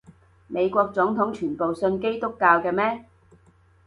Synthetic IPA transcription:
me˨˧jkʷɔː˧k̚t͡sʊ˨˥ŋt̪ʰʊ˨˥ŋt͡ʃʰyː˨˩npo˨wsɵ˧nke˥jt̪ʊ˥kːaː˧wkɛː˧mɛː˥

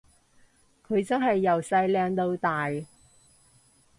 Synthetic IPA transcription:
kʰɵ˨˧ɥt͡sɐ˥nɦɐ˨jːɐ˨˩wsɐ˧jlɛː˧ŋt̪o˧wt̪aː˨j

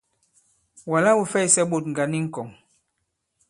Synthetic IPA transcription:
wa˨la˦wu˨fɛ˦˨i˨sɛ˦ɓo˨tŋɡa˨ni˦ŋ̩˦˨kɔ˨ŋ

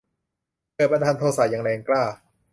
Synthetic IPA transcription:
pɯ˧˩pa˧nt̪ʰaː˧nt̪ʰoː˧sa˨˩jaː˨˩ŋlɛː˧ŋklaː˥˩

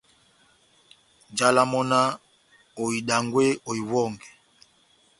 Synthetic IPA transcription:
d͡ʒa˦la˦mɔ˦na˦ | o˨i˨ɗa˨ŋɡwe˦o˨i˨wɔ˦˨ŋɡɛ˨

